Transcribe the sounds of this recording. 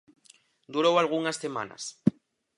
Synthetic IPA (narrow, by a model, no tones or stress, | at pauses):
d̪uɾowalɣ̞uŋasːema̰na̰s